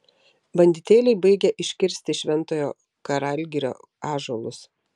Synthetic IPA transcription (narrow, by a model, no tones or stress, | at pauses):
bɐnʲd̪ʲɪt̪ʲeːlʲɛɪbɐɪɡʲɛʔɪʃʲkʲɪɾʲsʲt̪ʲɪʃʲʋʲɛnˑt̪oːjoː | kɐɾɑlʲɡʲɪɾʲo̰ː | ɑːʒoːlˠʊs